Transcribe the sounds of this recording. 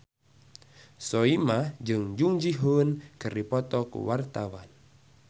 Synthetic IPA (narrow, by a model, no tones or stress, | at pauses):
sɔimad͡ʒɨŋd͡ʒuŋd͡ʒiɦunkɨripɔt̪ɔkṵwart̪awan